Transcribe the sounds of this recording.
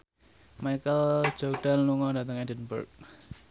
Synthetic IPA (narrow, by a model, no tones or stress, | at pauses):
majkəl̥d͡ʒɔk̚ɖ̥anluŋɔdat̪əŋidənbṵrk̚